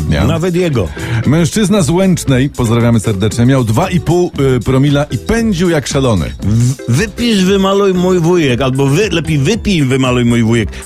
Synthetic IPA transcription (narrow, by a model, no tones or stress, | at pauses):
a̰navɛt̪̬jɛɡɔmɛ̃w̃ʂt͡ʂɘznazwɛnt͡ʂnɛjpɔzd̪ɾavʲjamɘsɛɾd̪ɛt͡ʂɲɛmʲjawd̪vaʔipuwpɾɔmʲilaʔipɛɲd͡ʑiwjakʂalɔnɘ̰vɘpʲiʐvɘmalujmujvujɛkalbɔvɘlɛpʲejvɘpʲijvɘmalujmujvujɛk